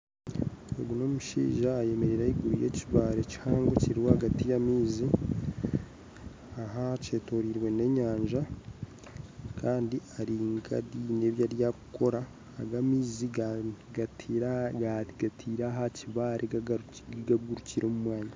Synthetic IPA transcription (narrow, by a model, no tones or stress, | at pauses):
ḛɡuno̞muʃḭːʒaːje̞meɾeɾaiɡuɾujeciβaːɾecihaːŋɡweciɾiwohaɡatijamiːzi | aɦace̞ːto̞ɾiɾwe̞ne̞ɲaːɲʒa | kʰaːndiaɾiːŋɡa̰ɾine̞ːβjaɾjakukʰo̞ɾa̰ː | ɡamizi | aɡatʰiːɾaɦaciβaɾʔe | ɡaɡuɾuciɾo̞ːmumwaːɲa